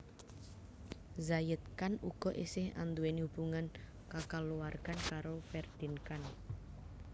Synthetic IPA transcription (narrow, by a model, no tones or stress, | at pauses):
zajət̪̚kanuɡ̥ɔ̤ʔesɪha̰nd̪uenhub̥uŋan | kakaluwarkankaɾofɛrd̪̥i̤nkan